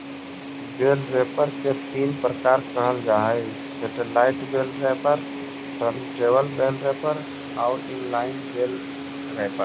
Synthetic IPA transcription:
beːlɾepəɾket̪iːnpɾəkaːɾkəɦəld͡ʒaːɦəɪ | seʈəlːaɪʈbelɾepəɾ | səɾʈɾeːʋəlbelɾepəɾ | aːʊɪnlaːɪnbeːl | ɾɛpəɾ

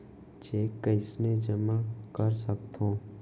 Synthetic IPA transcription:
t͡ʃeːkːəɪsned͡ʒəmakəɾsək̚t̪ʰõː

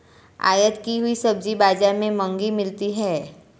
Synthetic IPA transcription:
a̰ːjət̪kiɦʊisɐb̚d͡ʒibaːd͡ʒaɾmẽmə̃ŋɡimɪlt̪iɦɛː

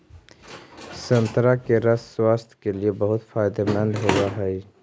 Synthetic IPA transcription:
səmt̪ɾakeɾəsswaːst̪ʰkeliebəɦʊt̪faːɪd̪emɛ̃nɦowaɦɛj

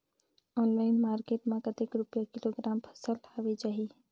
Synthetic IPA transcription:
ɔːnlaɪnmaːɾkeːʈmẽkət̪ikɾʊpjakiloɡɾaːmpʰə̥səlʰaʋed͡ʒaːɦi

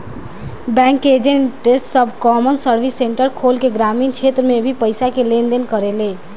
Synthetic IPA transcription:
bɛ̃ŋked͡ʒeɳʈesʈsəbʱkɔmənsəɾbʱisːeɳʈəɾkʰolkeɡɾamint͡ʃʰet̪ɾəmebʱipəɪsakelend̪enkəɾele

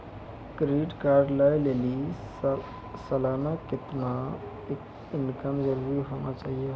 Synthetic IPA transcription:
kɾiːɖkaːɾɖləjleli | səlanakɪt̪na | ek | ɪnkəmd͡ʒəɾuɾiɦonat͡ʃaːɦijə

